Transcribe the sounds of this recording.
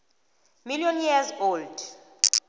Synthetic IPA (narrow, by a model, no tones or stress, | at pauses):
miljɔnjɛzold